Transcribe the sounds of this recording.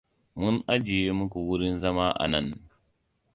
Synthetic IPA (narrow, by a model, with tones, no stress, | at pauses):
mu˦nʔa˦d͡ʒi˨je˦mu˦ku˨wu˦ɾi˦nzɐ˦ma˦ʔa̰˨nɐ˦n